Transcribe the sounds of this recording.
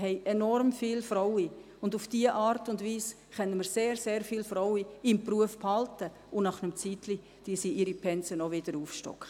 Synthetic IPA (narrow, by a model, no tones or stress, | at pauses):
ɦɛɪʔenɔɾmfiːlfrɔwi | ʊndufd̥iːəʔɑːɾtʊndʋiːs | χɛnːəməɾseːɾseːɾfiːlfrɔwiɪmpruəfphɑltə | ʊnɑχnəmt͡siːtli | d̥iːsiiɾipʰɛnt͡sənɔʋɪd̥əɾuːfʃtɔ̰kχ